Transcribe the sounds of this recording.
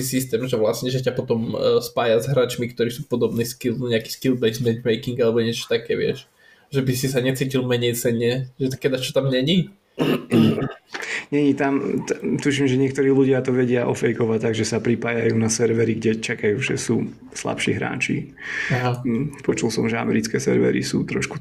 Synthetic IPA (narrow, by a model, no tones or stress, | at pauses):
t̪isist̪ɛmʒɛʋlasɲɛʒɛcapɔt̪ɔmspaːjazɦɾaːt͡ʃmikt̪ɔɾiːsuːpɔd̪ɔbniːskild̪ɲɛaki̥skilbɛjsmɛnt̪mɛjkiŋɡalɛbɔɲɪɛt͡ʃɔ̥t̪akɛːʋɪɛ̰ʃ | ʒɛbisis̬aɲɛt͡siːcilˠmɛɲɛjt͡sɛɲɛʒɛt̪kɛd̪at͡ʃɔ̥t̪amɲɛɲi | ɲɛɲit̪amt̪uʃimʒɛɲɪɛkt̪ɔɾiːluɟɪat̪ɔʋɛɟɪaʔɔfɛjkɔʋat̪ːaɡʒɛsapɾipaːjajuːnasɛɾʋɛɾiɡɟɛt͡ʃakajuːʒɛ̰suː | sla̰pʃḭːɦɾa̰ːt͡ʃi | aɦapɔt͡ʃulˠsɔmʒɛa̰mɛɾit͡skɛːsɛ̰ɾʋɛ̰ɾḭsṵːt̪ɾɔʃku